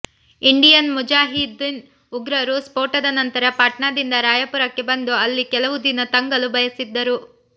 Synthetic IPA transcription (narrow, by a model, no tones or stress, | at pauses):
iɳɖijɐnmud͡ʒaːɦid̪n | uɡɾɐɾuspoːɾʈɐd̪ɐnɐnt̪ɐɾɐpaːʈɳaːd̪ind̪ɐɾaːjɐpuɾɐkːe̞bɐnd̪uɐlːikɛlɐʋud̪inɐt̪ɐŋɡɐlubʱɐjɐsid̪ːɐɾu